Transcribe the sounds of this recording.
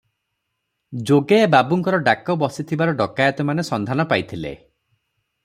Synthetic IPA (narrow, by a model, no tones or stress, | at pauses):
d͡ʒoɡebabuŋkɔɾɔɖakɔbɔsit̪ʰibaɾɔɖɔkajɔt̪ɔmanesɔnd̪ʱanɔpajt̪ʰilḛ